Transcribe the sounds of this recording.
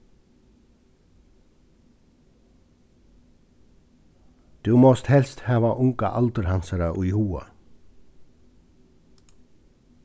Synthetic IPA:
d̪̥ʉːmɔst̪hɛlst̪hɑːʋɑʔʊŋkɑ̰ʔɑlt̪əɾhɑnsəɾəʔʊʏɪhuːə̰

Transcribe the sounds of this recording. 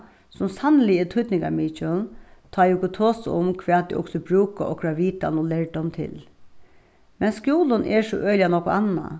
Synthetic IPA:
sʊmsanlɪət̪ʰʊt̪nɪŋka̰miːt͡ʃʊnt̪ʰɑːjʊkʊt̪ʰoːsʊ̰mkʰʋɛːd̪̚d̪ḭʔʊ̰ksɔbɾuːka̰ʔɔkʰɾaːʋiːt̪a̰nuːlɛɹd̪ɔmt̪ʰɪ̰l | mɛnskjuːlʊnʔɛʂɔ̰ʔœʏlɪjanɔkʊana̰

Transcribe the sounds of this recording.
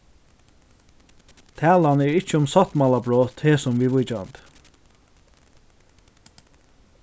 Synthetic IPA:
t̪ʰæːlɑnɛɹɪt͡ʃəʊmsɑt̪mɑlɑbɹoːt̪heːsɔmʋiːʋʊd͡ʒɑ̰nd̪

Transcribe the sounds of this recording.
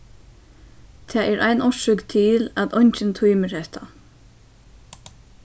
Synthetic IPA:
t̪ʰaːʔɛːɾʔajnɔʃʏkt̪ʰɪlæt̪ɔɲt͡ʃɪnt̪ʰujməɹhɛht̪ʰa

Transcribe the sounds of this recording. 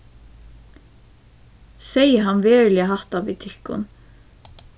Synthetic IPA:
sɛjəɦanʋɛːɹlɪaɦaht̪avit̪ʰɪhkʊ̰n

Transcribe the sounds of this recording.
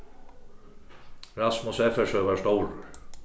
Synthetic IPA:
rasmɔsɛfɛsœvḁst̪oːwɾʏɾ

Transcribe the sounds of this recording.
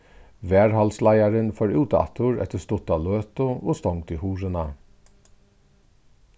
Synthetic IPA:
ʋæːɹhɑlslæɪɑɾənfɔːɹʉːt̪ɑ̰t̪ʰʊɹɛ̰t̪əst̪ʊt̪ɑløːt̪ʊʔoːst̪ɔŋd̪iːhuːɾənɑ

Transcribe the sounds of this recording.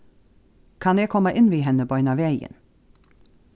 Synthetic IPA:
kʰɑneːkʰɔməʔɪnʋiːɦɛnəbɔʏnɑʋeɪə̰n

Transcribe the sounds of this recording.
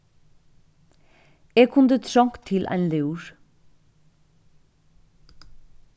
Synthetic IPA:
eːɡkʰʊnd̪ət̪ʰɾɔŋkt̪ʰːɪlʔæ̰ɪnleuɹ

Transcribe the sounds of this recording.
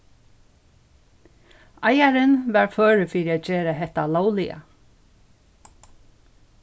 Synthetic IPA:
ajaɾɪnʋæːɹføːɹəfiːɾiaːd͡ʒeːɾəɦɛht̪alaːwlɪə̰

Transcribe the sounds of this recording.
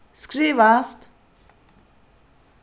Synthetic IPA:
skɾeʋaːst̪

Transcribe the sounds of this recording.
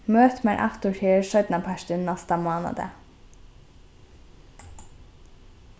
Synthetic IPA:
møːt̪mæɾʔɑ̰kt̪ʊʈʰyːəʃœʏd̪nɑpʰæʃd̪ɪnnɑst̪əmoːnɑ̰d̪ə̰

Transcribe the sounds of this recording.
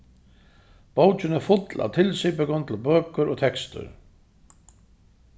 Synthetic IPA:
b̥owt͡ʃɪnɛɾfʊt̪lʔa̰wt̪ʰɪlsipɪkʊnt̪ʰɪlbœːkʏɾɔt̪ʰɛkst̪ʏ̰ɾ

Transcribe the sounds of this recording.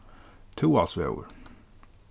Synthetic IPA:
tʰuɔlˠsoo̰ʊə̰˞

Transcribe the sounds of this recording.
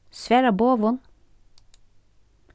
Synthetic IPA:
sʋæːɾɑboːʋʊn

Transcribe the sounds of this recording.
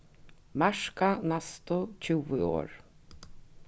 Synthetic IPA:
maʂkanast̪ʊt͡ʃʰʏwɪo̰ːɹ

